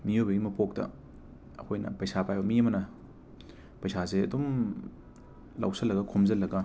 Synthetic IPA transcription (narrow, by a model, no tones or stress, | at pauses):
mijobɐɡimɐpok̚tɐ̰ | ɐkʰojnɐ̰pɐjsapajbɐmiɐmɐnɐ | pɐjsazeɐ̰dom | la̰wsɐlːɐɡɐkʰomzɐlːɐɡɐ